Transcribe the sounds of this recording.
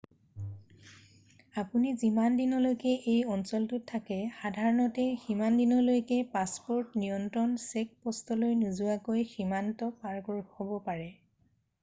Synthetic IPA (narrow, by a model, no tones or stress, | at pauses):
apunizimandinɔlojkɛʔejɔnsɔltʊtʰːakɛxadʱaɹɔnɔtɛximandinɔlojkɛpaspɔɹtnijɔntɹɔnsek̚pɔstɔlojnuzʊakojximantɔpaɹɡɔɹxhobɔpaɹɛ